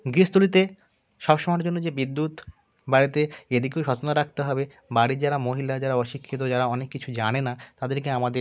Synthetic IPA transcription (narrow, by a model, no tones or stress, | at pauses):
ɡɾist̪ulit̪e | ʃɔbʃomaɾd͡ʑonːod͡ʑebid̪ːut̪ | baɾit̪eed̪ikewʃɔt͡ɕond̪aɾak̚t̪eɦɔbe | baɽid͡ʑaɾamoɦilad͡ʑaɾaɔʃikʰːit̪̬od͡ʑaɾaɔnekːit͡ɕʰud͡ʑanenat̪ad̪eɾkeamad̪e